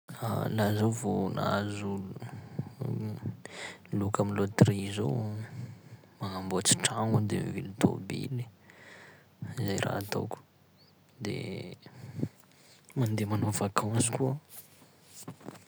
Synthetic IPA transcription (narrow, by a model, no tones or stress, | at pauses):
alazowvona̰zulun | lukaminlot̪rizow | maŋambot͡si̥ʈ͡ʂaŋud̪emvilut̪o̰bḭli | izajrʔa̰at̪o̰kʲu̥ | d̪ḛ | mand̪emanovakʰɔ̃skuə